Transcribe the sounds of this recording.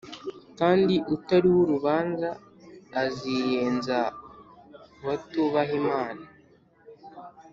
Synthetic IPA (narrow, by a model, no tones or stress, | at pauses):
kaːndiʔutaɾiwuɾuβaːnzaː | zijeːnza | βatuβaɦimaːna